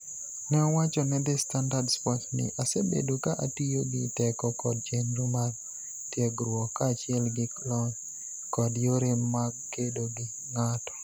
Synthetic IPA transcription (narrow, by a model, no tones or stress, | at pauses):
nɛɔwat͡ʃɔnɛd̪ɪstandardspɔtnɪ̰ʔasebḛdokaʔatijoɡɪtɛkɔkɔd̚t͡ʃenɾumaɡ | tjɛɡɾwɔkːat͡ʃɪɛlɡɪklɔn | kɔdjoɾɪmːaɡkedoɡɪ | ŋatɔ̥